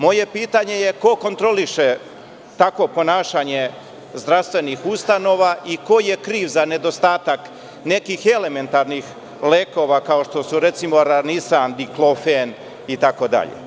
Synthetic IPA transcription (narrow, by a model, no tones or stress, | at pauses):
mo̞je̞piːt̪aɲe̞jeko̞kont̪ɾo̞liʃe̞ | t̪akʋo̞po̞naːʃaɲe̞ | zd̪ɾafst̪ʋe̞nixust̪ano̞ʋaʔiko̞je̞kɾiːʋzane̞d̪o̞st̪aːt̪ak | ne̞kixe̞le̞me̞nt̪aɾnix | leːko̞ʋakao̞ʃt̪o̞suɾe̞t̪simo̞ɾanisand̪iklofen | it̪ako̞d̪a̰ʎḛ